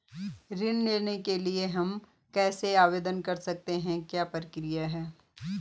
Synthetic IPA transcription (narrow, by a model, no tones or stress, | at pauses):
ɾɪnːeːnekelieɦɐm | kɛːseaːʋeːd̪ənkɐɾsɐk̚t̪eɦɛ̃kjaːpɾɐkɾijaɦɛː